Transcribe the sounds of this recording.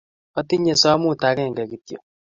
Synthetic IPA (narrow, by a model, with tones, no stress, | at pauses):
ɔ˦ti˦ɲe˨sɔ˦mu˦˨ta˨˦kɛ˦˨ŋ̩˨ɡa˨ki˨tjo̰˨